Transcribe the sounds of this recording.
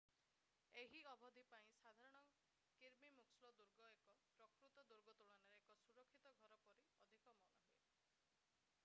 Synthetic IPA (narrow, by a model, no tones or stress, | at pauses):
eɦiɔbʱɔd̪ʱipaĩsad̪ʱaɾɔɽ̃ɔ | kiɾmimukslɔd̪uɾɡɔekɔpɾɔkɾut̪ɔd̪uɾɡɔt̪uɽ̃ɔneɾeekɔsuɾɔkʰːit̪ɔɡʱɔɾɔpɔɾiɔd̪ʱikɔmɔnɔɦuḛ